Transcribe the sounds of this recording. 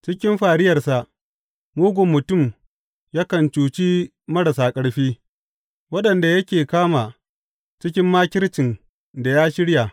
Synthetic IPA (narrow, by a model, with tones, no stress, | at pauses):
t͡ʃɪ˦kʲɪ˦mɸaː˨ɽɪ˦jɐ˨rsa˨ʔ | muː˦ɡʷʊ˨mːʊ˨tʊ˦˨m | jaː˦kɐ˨nt͡ʃuː˨t͡ʃi˦ | mɐ˦ɽa˨saː˨kʼɐ˦ɽɸiː˦ | wɐ˦ɗɐ˨nda˨jɐ˦kʲeː˨kaː˦maː˨ | t͡ʃɪ˦kʲɪ˦mːaː˦kʲɪ˦ɾt͡ʃɪ˨n | da˨jaː˦ʃɪ˦ɽja˨